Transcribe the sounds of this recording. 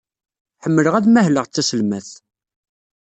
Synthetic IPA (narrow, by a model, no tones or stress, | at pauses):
ħəmːələʁæðmæɦləʁt͡sːæsəlmæθ